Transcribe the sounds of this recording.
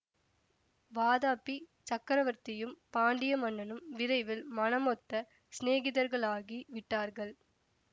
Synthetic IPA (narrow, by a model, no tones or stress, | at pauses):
ʋaːðaːpːit͡ʃɐkːɐɾɐʋɐɾt̪ɪjɯmpaːɳɖɪjɐmɐɳːɐnɯmʋɪðɐɪʋɪlmɐnɐmɔt̪ːɐ | sneːɣɪðɐɾɣɐɭaːɣiʋɪʈːaːɾɣɐɭ